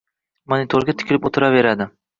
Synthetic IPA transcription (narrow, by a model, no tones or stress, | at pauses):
monɪt̪ʰoɾɡʲat̪ʰɪ̥kʲɪlɪpot̪ʰɪɾave̞ɾad̪ɪ